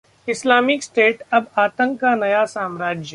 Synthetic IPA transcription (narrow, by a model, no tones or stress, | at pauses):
ɪslaːmɪksʈeːʈɐbaːt̪ə̃ŋkːanɐjasaːmɾaːd͡ʒjə